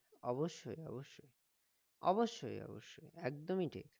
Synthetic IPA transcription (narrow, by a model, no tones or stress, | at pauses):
ɔboʃːojɔ̰boʃːoj | ɔboʃːojɔ̰bo̰ʃːojɛk̚d̪omiʈʰḭk